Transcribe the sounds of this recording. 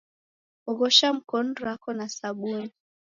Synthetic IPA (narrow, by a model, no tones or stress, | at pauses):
uɣɔʃam̩kɔn̩ɾakɔnasaɓuni